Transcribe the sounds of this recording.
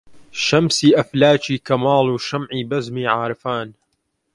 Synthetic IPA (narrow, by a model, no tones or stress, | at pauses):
ʃɐmsiːʔɐflaːt͡ʃiːkɐmaːluːʃɐmʕiːbɐzmiːʕaːɾɨfaːn